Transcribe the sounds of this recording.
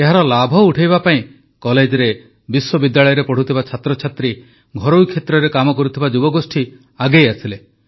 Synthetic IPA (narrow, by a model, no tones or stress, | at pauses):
eɦaɾɔlabʱɔuʈʰejβapaĩ | kɔled͡ʒɔɾe | biswɔbid̪jaɭɔjɔɾepɔɽ̤ut̪ʰibat͡ʃʰat̪ɾɔt͡ʃʰat̪ɾi | ɡʱɔɾowkʰːet̪ɾɔɾekamɔkɔɾut̪ʰibad͡ʒubɔɡosʈʰi | aɡejasile